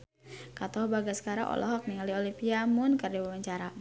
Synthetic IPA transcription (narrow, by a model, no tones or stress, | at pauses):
kat̪ɔhbaɡasə̥kaɾa̰ʔɔ̰lɔ̰ɦɔk̚niŋaliɔlimpiamʊnkərdiwawaɲt͡ʃaɾa